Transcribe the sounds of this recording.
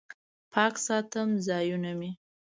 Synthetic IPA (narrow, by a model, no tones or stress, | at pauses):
pʰɑksɑt̪əmzɑjunami